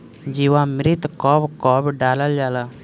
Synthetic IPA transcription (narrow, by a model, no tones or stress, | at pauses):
d͡ʒiwãːmɪɾɪt̪kɔːbkɔːbɖaːləld͡ʒaːlaː